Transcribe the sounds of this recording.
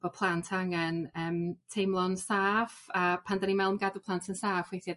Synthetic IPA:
b̥ɔpʰlˠantʰaŋənəːmtʰejmlˠɔnsaːvapʰandanimɛlˠmɡadupʰlˠantʰənsaːfwejθja

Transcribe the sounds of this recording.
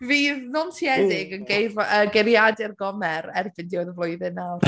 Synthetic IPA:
viːðnɔmtʰiɛdɪɡənɡejvəɡeɾjadɛrɡɔmɛɾɛrbɪndiɔðəvlˠʊɨðɨnawr

